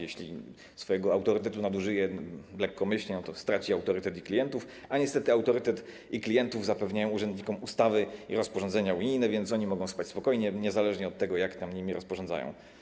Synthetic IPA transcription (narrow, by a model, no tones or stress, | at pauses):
jɛɕlʲḭ | sfɔjɛɡɔawt̪ɔɾɘt̪ɛt̪unad̪uʐɘjɛlɛkːɔmɘɕlɲɛnɔt̪ɔst̪ɾat͡ɕiawt̪ɔɾɘt̪ɛt̪iklʲijɛnt̪ufaɲɛst̪ɛt̪ɘawt̪ɔɾɘt̪ɛt̪ | iklʲijɛnt̪uvzapɛvɲajɔ̃w̃uʐɛnd̪ɲikɔmust̪avɘḭɾɔspɔʐɔnd̪zɛɲauɲijnɛvʲjɛnt̪sɔɲimɔɡɔ̃w̃spat͡ɕʲspɔkɔjɲɛɲɛzalɛʐɲɛɔt̪ːɛɡɔjakt̪amɲimʲiɾʔɔspɔʐɔnza̰jɔ̰̃w̃